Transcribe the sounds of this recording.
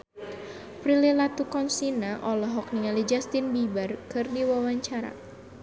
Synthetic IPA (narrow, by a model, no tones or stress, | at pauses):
pɾililat̪ukɔnsinaʔɔlɔɦɔk̚niŋalid͡ʒast̪inbibarkɨrdiwawaɲt͡ʃaɾa̰